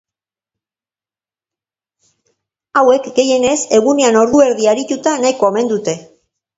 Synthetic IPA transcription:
awe̞kɡe̞je̞ne̞se̞ɣune̞ano̞ɾðue̞ɾðiaɾit̪ut̪anajkoome̞nd̪ut̪e̞

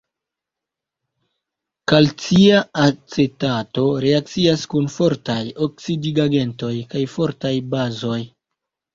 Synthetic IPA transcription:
kalt͡siaat͡setato̞ɾe̞ak̚t͡siaskunfo̞ɾtajoksidiɡaɡe̞nto̞jkajfo̞ɾtajbazo̞j

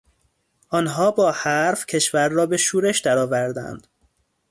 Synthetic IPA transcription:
ʔɒːnɦɒːbɒːhæɾfcʰe̞ʃvæɾːɒːbe̞ʃuːɾe̞ʃd̪æɾɒːvæɾd̪æ̰nd̪̥

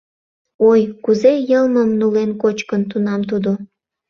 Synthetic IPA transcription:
ojkuzejəlməmnulenkot͡ɕkənt̪̬unɑmt̪ud̪o

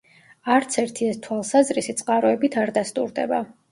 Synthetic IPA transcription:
aɾt̪sʰɛɾt̪ʰiɛst̪ʰwalˠsazɾisit̪sʼqʼaɾɔɛbit̪ʰaɾd̪ast̪ʼṵɾd̪ɛ̰ba̰

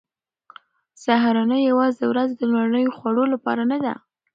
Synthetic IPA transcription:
saɦaɾɑnəjawɑzəwɾazd̪əlwaɾnəjoxwaɽolapɑ̰ɾanad̪a̰

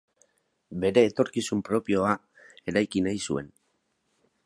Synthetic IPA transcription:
be̞ɾe̞ːt̪o̞ɾkisumpɾo̞pio̞a | e̞ɾajkinajsue̞̰n

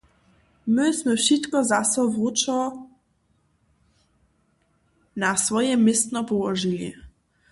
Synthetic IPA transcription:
mɪsmɛfʃit̪kɔzasɔvut͡ʃɔ | nasvɔjɛmɪst̪nɔpɔwɔʒilʲḭ

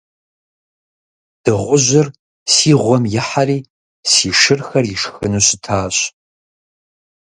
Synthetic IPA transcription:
d̥ɨʁʷʊʒʷɪr | siːʁʷɔmjɪħaɾiː | siːʂɨrxɐriʂxɨnuɕɪtʰaːɕ

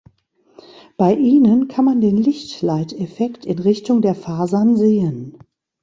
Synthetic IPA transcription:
b̥aɪʔiːnənkʰanmandeːnlɪçtlaɪtɛfɛktɪnʁɪçtʊŋdeːɐfaːzanzeːən

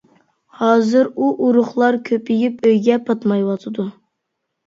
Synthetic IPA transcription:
hɑːzɨɾuʔuɾʊχlˠɑɾkʲʰøpɪjipøjɡʲɛpʰɑt̪mɑjwɑt̪ʰɨd̪u

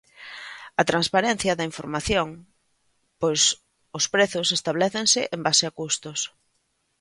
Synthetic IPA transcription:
ɐt̪ɾanspaɾɛn̟θjɐðɐiɱfoɾmaθjoŋ | pojs | ʊspɾeθʊsest̪aβlɛθeŋsɪʔembasɪɐkust̪ʊs

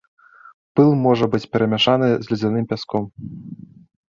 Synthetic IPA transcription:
pɨlˠmɔʐɐbɨt͡sʲpʲɛɾɐmʲaʂanɨzʲlʲid͡zʲanɨmpʲaskɔm

